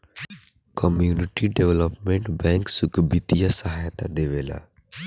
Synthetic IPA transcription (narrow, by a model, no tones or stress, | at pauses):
kɔmjuːnɪʈiɖeʋləpmẽɳʈbɛ̃ːŋksʊkbit̪ijasəɦaːjt̪ad̪eːʋeːla̰